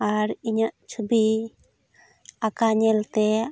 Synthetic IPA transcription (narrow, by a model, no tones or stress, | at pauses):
aɾiɲaʔt͡ʃʰubi | akaɲɛlt̪ɛ